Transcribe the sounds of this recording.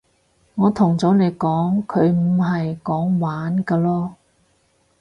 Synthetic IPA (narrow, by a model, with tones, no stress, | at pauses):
ŋɔː˨˧t̪ʰʊ˨˩ŋt͡sɔː˨˥ne˨˧jkɔː˨˥ŋkʰɵ˨˧ɥm̩˨˩ɦɐ˨jkɔː˨˥ŋwaː˨˥nkaː˧lɔː˥